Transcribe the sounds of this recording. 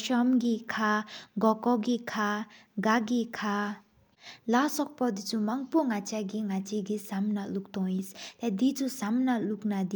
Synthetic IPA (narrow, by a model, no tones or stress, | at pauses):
ʃɔmɡikʰaɡɔkɔɡikʰaɡaɡikʰa | lasɔk̚pɔd̪it͡sumaŋpoŋat͡ʃaɡiŋat͡ʃiɡisamnaluk̚t̪ɔ̃ist̪ɛd̪it͡sʰusamnaluknad̪i